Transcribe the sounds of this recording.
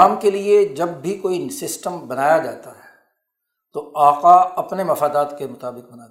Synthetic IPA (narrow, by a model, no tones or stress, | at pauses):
aːmkelied͡ʒɐbːʱikoːisɪsʈəmbɐnaːjad͡ʒaːt̪aɦɛ | t̪oaːqaɐpnemɐfaːd̪aːt̪kemʊt̪aːbɪq̚bɐnaː